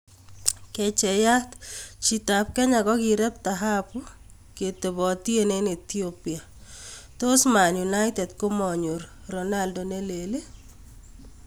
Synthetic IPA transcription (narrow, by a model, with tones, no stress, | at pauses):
kɛ˨t͡ʃɛ˨ja˦t̪t͡ʃi˨ta˨p̚kɛ˦ɲa˨kɔ˦ki˨ɾɛ˦p̚taɦa˦pu˦ | ke˨te˨bɔ˨tje˦ne˦nː˨t̪iopia˨ | to˦sma˨nju˨naɪtɛ˨dko˦mɔ˨ɲu˨ɾɾɔ˨na˦ldɔ˨ne˦le˨le˦